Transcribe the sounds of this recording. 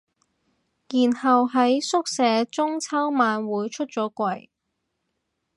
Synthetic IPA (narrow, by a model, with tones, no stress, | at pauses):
jiː˨˩nhɐ˨wɦɐ˨˥jsʊ˥k̚sɛː˨˥t͡sʊ˥ŋt͡sʰɐ˥wmaː˨˧nwuː˨˧jt͡ʃʰɵ˥t̚t͡sɔː˨˥kʷɐ˨˧j